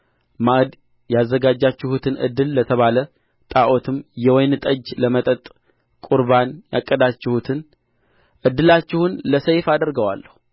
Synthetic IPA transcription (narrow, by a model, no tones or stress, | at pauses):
maʔd̪ | jazːəɡad͡ʒːat͡ʃːɪhut̪ʰɨnʔɨ̰d̪ːɨlːət̪ʰəβalə | t̪ʼaʔo̞t̪ʰɨmjɛwɔjnt̪ʼəd͡ʒləmət̪ʼət̪ʼ | kʼuɾβanja̰kʼːəd̪at͡ʃːɪhut̪ʰɨn | ʔɨd̪ːɨlat͡ʃːɪhunləsəjfad̪əɾɡəwa̰lːəhu